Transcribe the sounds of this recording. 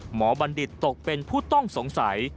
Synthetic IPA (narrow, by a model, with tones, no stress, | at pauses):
mɔː˩˦ba˧ndi˨˩t̪ːo˨˩k̚pe˧npʰuː˥˩t̪ɔ˥˩ŋso˩˦ŋsa˩˦j